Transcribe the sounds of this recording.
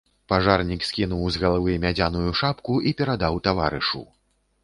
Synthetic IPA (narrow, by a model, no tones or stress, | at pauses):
paʐarnʲiksʲkʲinuwzɣɐlˠavɨjmʲad͡zʲanujuʂapkuʔipʲɛɾad̪awt̪ava̰ɾɨʂṵ